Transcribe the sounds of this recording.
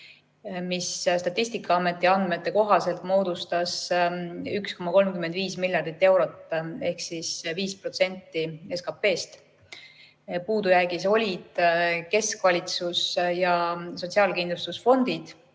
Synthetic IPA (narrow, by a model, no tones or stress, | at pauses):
misst̪ɑt̪ːˑisʲt̪ikːˑɑɑme̞t̪ːˑiɑnd̪̥me̞t̪ːe̞ko̞ɦɑse̞lt̪mo̞ːd̪̥ust̪ɑs | yksko̞mːɑko̞lmkymend̪viːsmilʲjɑrd̪it̪ːe̞wɾo̞t̪ːe̞hksisviːspro̞t̪se̞nʲt̪ːie̞skɑpːe̞ːst̪ | puːd̪ujæɡiso̞lʲid̪̥ke̞skvɑlʲit̪susjɑso̞t̪ʲsiɑːlkind̪lust̪usfo̞nd̪̥id̪̥